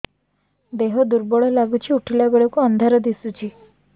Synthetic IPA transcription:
d̪eɦɔd̪uɾbɔɭɔlaɡut͡ʃʰiuʈʰilabeɭɔkuɔnd̪ʱaɾɔd̪isut͡ʃʰi

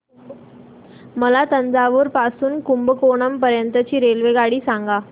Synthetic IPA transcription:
məlat̪ənd͡zaʋəɾpasuːnkumbəkoɳəmpəɾjənt̪ət͡ɕiːɾelʋeɡaɽiːsãŋɡa

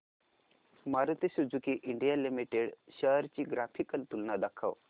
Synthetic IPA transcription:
maɾət̪isud͡zukiʔiɳɖijalimiʈeɽɕəɦɾt͡ɕiːɡɾafʰikəlt̪ulnad̪akʰaʋ

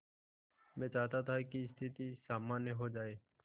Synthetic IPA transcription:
mɛ̃ːt͡ʃaːt̪aːt̪ʰakiɪst̪ʰɪt̪iːsaːmãːnjeɦoːd͡ʒaːeː

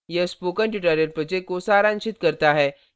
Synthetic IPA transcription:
jəspokəɳʈjuʈaɾeɾpɾəd͡ʑekːosaɾanʃit̪kəɾt̪aɦɛ

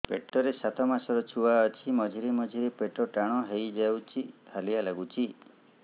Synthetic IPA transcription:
peʈɔɾesat̪ʰɔmasɔɾɔt͡ʃʰuwaɔt͡ʃʰimɔd͡ʒʱiɾimɔd͡ʒʱiɾepeʈɔʈaɽ̃ɔɦejd͡ʒawt͡ʃʰihalialaɡut͡ʃʰi

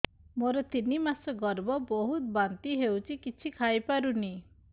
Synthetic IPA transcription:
moɾɔt̪inimasɔɡɔɾbɔbɔɦut̪bant̪iɦewt͡ʃʰikit͡ʃʰikʰajpaɾuni

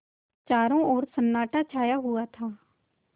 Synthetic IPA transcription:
t͡ʃaːɾõːoːɾsənːaːʈaːt͡ʃʰaːjaːɦʊaːt̪ʰaː

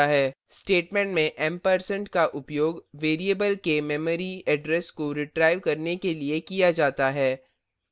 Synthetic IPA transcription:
aɦɛː | sʈeːʈmɛ̃ːɳʈmẽʔɛmpəɾsə̃ɳʈkaʔʊpjoːɡʋeːɾiəbəlkemɛməɾiɛɖɾɛskoɾɪʈɾaːɪʋkɐɾnekeliekijad͡ʒaːt̪aɦɛː

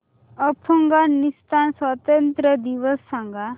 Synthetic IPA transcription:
əpʰəŋɡanist̪ʰanswat̪ənt̪ɾəd̪iʋəsːɐ̃ŋɡa

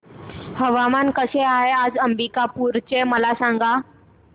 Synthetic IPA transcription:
həʋamankəseaɦead͡zəmbikapuːɾt͡ɕeməlasãŋɡa

